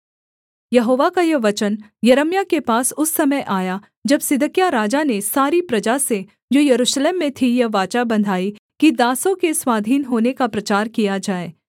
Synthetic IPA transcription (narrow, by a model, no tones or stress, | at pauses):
jɐɦoːʋakajɐʋɐt͡ʃənjɐɾəmjakepaːsʊsːɐməjʔaːja | d͡ʒɐbsɪd̪ʱəkjaɾaːd͡ʒanesaːɾipɾɐd͡ʒase | d͡ʒoːjɐɾuːʃleːmːẽt̪ʰijɐʋaːt͡ʃabɐ̃nd̪ʱaːikid̪aːsõkeswaːd̪ʱiːnɦoːnekapɾɐt͡ʃaːɾkijad͡ʒaːeː